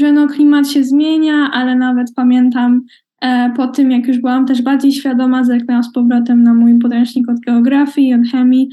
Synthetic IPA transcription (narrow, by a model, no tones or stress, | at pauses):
ʐɛnɔklʲimat̪ɕɛzmʲjeɲaʔalɛnavɛt̪pamʲjɛnt̪am | pɔt̪ɘmjakjuʐbɘwamt̪ɛʐbaɾd͡ʑejɕfʲjad̪ɔmazɛknɛwaspɔvɾɔt̪ɛmnamujp̬ɔt̪ɛw̃ʂɲikɔd̪̚ɡɛɔɡɾafʲjiɔt̪xɛmʲi